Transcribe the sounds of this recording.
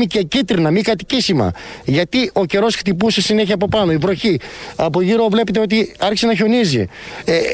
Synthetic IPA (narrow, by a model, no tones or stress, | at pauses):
micecit̪ɾinɐmikɐt̪i̥cisimɐ̰ʝɐt̪io̞ce̞ɾo̞sxt̪ipusesine̞çiɐːpo̞pɐno̞ivɾo̞çiɐpoʝiɾo̞vle̞pet̪̬e̞o̞t̪̬iɐɾçi̥se̞nɐço̞nizḭe